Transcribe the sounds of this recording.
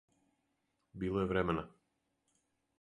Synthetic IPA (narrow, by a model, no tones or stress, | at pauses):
bilˠɔɛvɾɛmɛna